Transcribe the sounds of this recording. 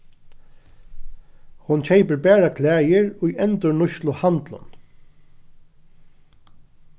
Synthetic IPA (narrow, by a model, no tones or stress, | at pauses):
hʊnt͡ɕʰɛɪpəɹbæːɹakʰlæːjɪɹʊjɛnt̪ʊɹnʊʃlʊhant̪lʊ̰n